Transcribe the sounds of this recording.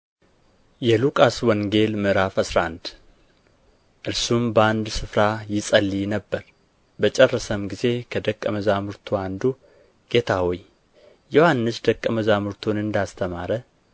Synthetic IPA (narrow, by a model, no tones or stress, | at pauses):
jɛlukʼaswɔŋɡe̞lmɨɾafasɾand̪ | ʔɨɾsumbəand̪sɨfɾajɪsʼəlːinəbːəɾ | bət͡ʃʼɛrːəsəmɡize̞kʰəd̪əkʼːəməzamɨɾt̪ʰuand̪u | ɡ̥e̞t̪ʰawɔj | johanːɨsd̪əkʼːəməzamɨɾt̪ʰonɨnd̪ast̪ʰəmaɾə